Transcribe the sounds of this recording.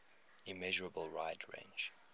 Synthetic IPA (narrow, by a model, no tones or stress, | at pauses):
ɪmɛʒəɹəbəlˠɹaɪdɹḛ̃ɪ̃nd͡ʒ